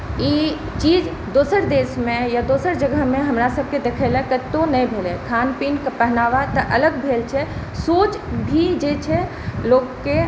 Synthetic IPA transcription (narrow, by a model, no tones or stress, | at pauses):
iː | t͡ʃiːd͡ʒ | d̪oːsəɾd̪eːsmẽjad̪osəɾd͡ʒəɡʱəɦmẽɦəmɾasəb̚ʱked̪ekʰelakət̪onɛĩbʱelekʰaːnpinkepəɦnaːʋat̪əʔələɡbʱeːlt͡ʃʰɛsoːt͡ʃbʱid͡ʒet͡ʃʰɛ | loːkke